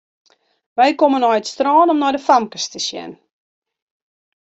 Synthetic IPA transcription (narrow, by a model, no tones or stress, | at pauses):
ʋɛjkomənɔjətstrɔːnɔmnɔjdəfamkəstəʃjɛ̰n